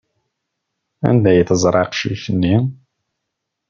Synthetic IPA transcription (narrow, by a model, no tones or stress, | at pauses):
æ̰nd̪æjθəzˤɾˤɑqʃiθənːi